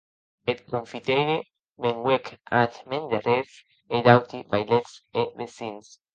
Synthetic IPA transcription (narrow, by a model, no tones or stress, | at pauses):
et̪̚koɱfit̪ejɾe | meŋɡwekat̪mẽnd̪aɾes | ed̪awt̪ivajlet̪sebesins